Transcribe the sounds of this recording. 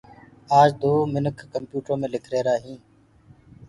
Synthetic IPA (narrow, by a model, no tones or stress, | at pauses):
aːd͡ʒd̪oːmɪnəkʰːəmpjuːʈɾõːmẽːlɪkʰɾeːɾaːɦĩː